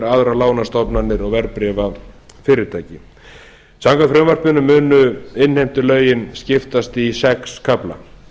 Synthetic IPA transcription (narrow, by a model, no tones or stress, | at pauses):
ɾaðɾalaːwnast̪ɔpnanːɪɾɔɣvɛɾpɾɛvafɪːɾɪɾt̪ʰaːjcɪ | saŋkafɾœːmvar̥pʏnʏmʏːnʏɪnhejm̥t̪ʏlœːɥjɪnscɪft̪ast̪isɛkskʰapla̰